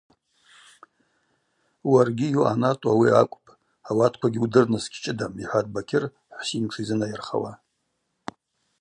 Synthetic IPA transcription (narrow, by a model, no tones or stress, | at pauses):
warɡʲijuʔa̰natʼawiakʷʼpʼ | awatʰkʷʰaɡʲiudɨrnɨskʲʰʼt͡ʃʼɪdamiħʷad̚bakʲʰɪr | ħʷsimʈ͡ʂʰizɨnajɪrχa̰wa